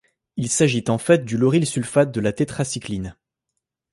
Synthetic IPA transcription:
ilsaʒit̪ɑ̃fɛt̪̚d̪ylɔʁilsylfat̪̚d̪əlat̪et̪χasiklin

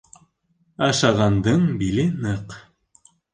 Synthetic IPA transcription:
ɑʃɑʁɑnd̪ɤɴbilɘnɤq

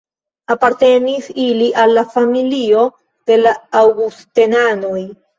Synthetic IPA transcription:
apaɾte̞nisiliʔalːafamilio̞ | d̥e̞laːwɡustenano̞j

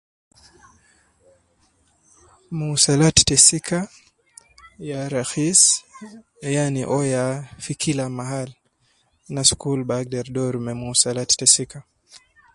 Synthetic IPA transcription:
musalattɛsikʰa | jaɾaxis | janiʔɔjafikʰilamaɦal | naskulbaɡdɛɾdɔɾmɛmusalattɛsika

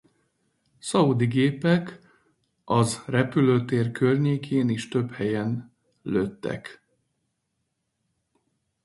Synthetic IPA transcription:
sɒud̪iɡeːpɛk | ɒzrɛpyløːt̪eːrkørɲeːkʰeːniʃt̪ø̞phɛjɛn | løt̪ːɛ̰k

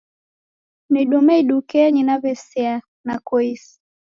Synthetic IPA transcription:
miɗumɛiɗukɛɲinavɛsia | nakɔis

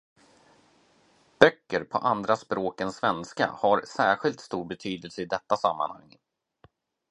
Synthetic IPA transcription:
b̥œkːəɾpʰɔ̰ʔand̪ɾaspɾoːkənsvɛnska̰haɾsæːɾɧɪlt̪st̪uːɾbɛt̪ʰyːd̪əlsəɪd̪ɛt̪ːasamːa̰nha̰ŋː

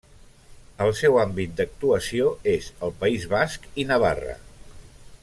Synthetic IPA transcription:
əlˠsɛwambit̪̚d̪ək̚t̪uəsioezəlˠpəizβaskinəβ̞a̰rə̰

